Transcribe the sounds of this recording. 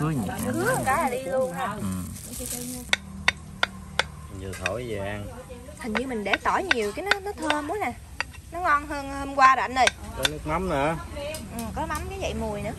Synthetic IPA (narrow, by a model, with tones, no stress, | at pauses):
hɨ˨˦əhə˧˩ŋkaː˨˦jlaː˨˩ɗi˧lu˧ənː˨˩˨ | tː | zɨ˨˩t̪ʰo̰˧˩jzə̰˨˩ʔa˧n | t̪ʰə˨˩ŋ̟ɲɨ˧mï˨˩ŋ̟ɗe˧˩t̪ɔ˧˩jɲi˨˩əwkaː˨˦nɔ˨˦˥nɔ˨˦t̪ʰəː˧mu˨˦jna˨˩ | nɔ˨˦ŋɔ˧nɦəː˧nhəː˧mkwaː˧ɗa̰˧˨nɗə˧˩jkɔ˨˦nɨ˦˥k̚ma˨˦mnɨ̰˧˩ʔɨ˨˩mkɔ˨˦ma˨˦mkaː˨˦və̰˧˨jmu˨˩əjnɨ̰˧˦ə˦